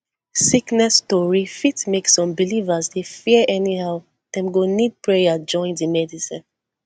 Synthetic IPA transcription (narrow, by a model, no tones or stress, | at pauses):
siknɛstɔɹifitmeksɔ̃mbilivazdefiəʔɛnihaʊ | d̥ɛ̃mɡonid̚pɹejad͡ʒɔ̃ɪ̃ndimɛdisḭ̃n